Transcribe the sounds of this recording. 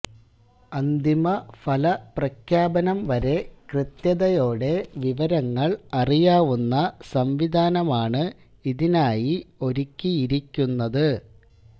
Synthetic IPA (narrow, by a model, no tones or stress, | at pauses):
ɐnd̪imɐfʰɐlɐprɐkʰjaːbɐnɐmʋɐɾe̞krɨt̪jɐðɐjo̞ːɽe̞ʋiʋɐɾɐŋːɐɭɐrijaːʋunːɐsɐmʋid̪ʱaːnɐmaːɳɨ | iðinaːjio̞ɾikʲːijiɾikʲːunːɐðɨ